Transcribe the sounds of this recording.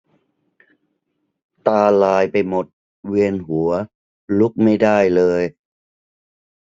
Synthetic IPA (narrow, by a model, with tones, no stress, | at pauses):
t̪aː˧laː˧jpa˧jmo˨˩t̪̚ | wi˧ənɦu˩˦ɐ | lu˦˥k̚ma˥˩jda˥˩jlɤː˧j